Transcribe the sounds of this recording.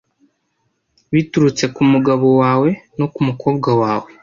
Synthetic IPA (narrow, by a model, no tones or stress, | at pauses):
βituɾut͡se̞kumuɡaβo̞waːwe̞no̞kumuko̞ːbɡawaːwe